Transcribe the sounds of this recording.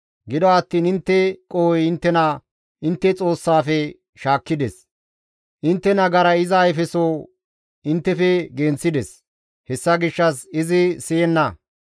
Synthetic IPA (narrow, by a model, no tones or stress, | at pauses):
ɡɪd̪ɔɐt̪ːiːnɪnt̪ːɛkʼoːwjɪnt̪ːɛnɐ | ʔɪnt̪ːɛt͡sʼo̞ːsːaːfɛ | ʃaːkːɪd̪ɛs | ʔɪnt̪ːɛnɐɡɐɾɐɪzɐːjfɛsoː | ɪnt̪ːɛfɛɡeːnt͡sːɪd̪ɛs | hɛsːɐɡɪʃːɐsɪzɪsɪjɛnːɐ